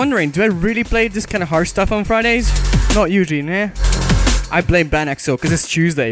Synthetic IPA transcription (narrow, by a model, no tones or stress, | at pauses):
ʌ̃ndə˞ɪ̃ŋdɨaɪɹɪlˠipʰl̥eɪðɪskʰãɪ̃ndəɦɑɹdstʌfn̩fɹaɪɾeɪz̥nəʔjʉʒl̩ˠinɛ | ʔaɪblẽɪ̃mbæñæksoʊkʰʌzɪtstʰʉːzdeɪ